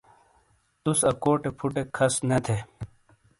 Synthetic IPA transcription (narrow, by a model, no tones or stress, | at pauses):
t̪usɐkoːʈepʰuʈekʰɐsnɐt̪ʰe